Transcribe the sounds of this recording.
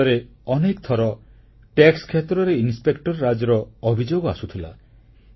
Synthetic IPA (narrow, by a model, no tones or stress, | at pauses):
ɔɾeɔnekt̪ʰɔɾɔ | ʈekskʰet̪ɾɔɾeinspekʈɔɾːad͡ʒɔɾɔɔbʱid͡ʒoɡɔa̰sut̪ʰila̰